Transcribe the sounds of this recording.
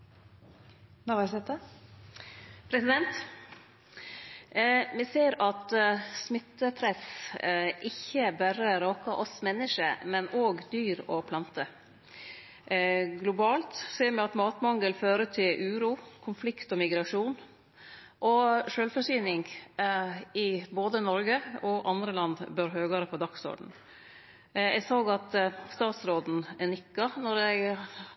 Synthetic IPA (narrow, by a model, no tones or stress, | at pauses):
nɑʋɑɾsɛt̪ə | pʰɾɛsɪd̪ɛnt̪ | mɪseːɾɑt̪smɪt̪ːəpʰɾɛs | ʔɪçːəbæɾəɾoːkɑʔɔsmɛnːəʂəmɛnoːɡd̪yːɾɔpʰlɑnt̪ə | ɡlʊbɑːlt̪seːmɛɑt̪mɑːt̪mɑŋɡəlføːɾət̪ʰɪlʔʉːɾuːkʰʊnflɪkt̪ɔmɪɡɾɑʂuːn | ʔɔʂøːlfɔʂsyːnɪŋɡ | ɪboːd̪ənɔɾɡəɔʔɑnd̪ɾəlɑnd̪bøɾɦøːɡɑɾəpʰɔd̪ɑksɔ̰ɖɳ̩ | ɛɡsoːɡɑt̪st̪ɑːt̪sɾoːd̪n̩ɛnʏkːɑnɔɾɛɡ